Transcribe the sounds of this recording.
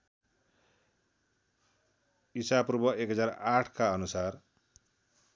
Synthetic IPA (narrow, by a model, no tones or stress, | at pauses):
isaprubʌekɦʌd͡zaɾaʈʰkaʌnusar